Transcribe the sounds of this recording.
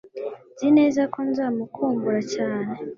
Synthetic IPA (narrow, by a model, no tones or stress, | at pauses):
nzine̞ːzako̞nzaːmukʰuːmbuɾacaːne̞